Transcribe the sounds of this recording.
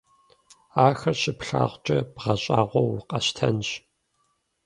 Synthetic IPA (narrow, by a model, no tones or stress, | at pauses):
aːxɐrɕɪpɬa̰ːʁʷt͡ʃʼɐbʁɐɕʼaːʁʷɔwʊqʼɐɕtʰɐnɕ